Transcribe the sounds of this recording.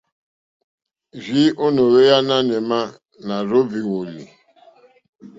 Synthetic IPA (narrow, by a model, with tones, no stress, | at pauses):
ʒi˦ʔo˦no˨ɾe˦ja˦na˦ne˨ma˦ | na˨ɾo˦bi˨wo˨lḭ˨